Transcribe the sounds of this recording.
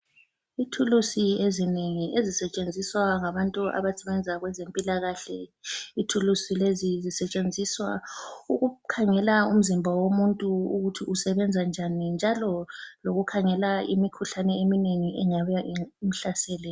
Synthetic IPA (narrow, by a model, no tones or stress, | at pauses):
itʰulusiezineŋiezisɛt͡ʃʼend͡zʱiswaŋaβantʼuʔa̰βasɛβɛnd͡zʱaɣwɛzempʼilaɣaɬɛitʰulusilezizisɛt͡ʃʼend͡zʱiswa̰uɣukʰaŋɛlaum̩zimbʱawomuntʼuuɣutʰiusɛβɛnd͡zʱand͡ʒʱanind͡ʒʱalɔloɣukʰaŋɛlaimikʰuɬanɛemineŋiɛɲaβaʔiim̩ɬasɛːlɛ